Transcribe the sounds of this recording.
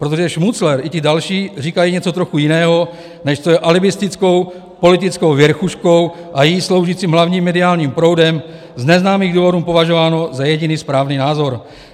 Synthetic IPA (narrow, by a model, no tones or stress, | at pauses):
pɾo̞t̪̬oʒɛʃmut͡slɛɾʔɪcɪdalʃiːriːkajiɲɛt͡so̞t̪ɾo̞xujɪnɛːɦo̞ | nɛʃt͡sojɛʔalɪbɪst̪ɪt͡sko̞w | po̞lɪt̪ɪt͡sko̞wvjɛɾxuʃko̞wʔajislo̞wʒit͡siːmɦlavɲiːmːɛdɪaːlɲiːmpɾo̞wdɛm | znɛznaːmiːɣduːvo̞duːmpo̞vaʒovaːno̞zajɛɟɪniːspɾaːvniːnaːzo̞ɾ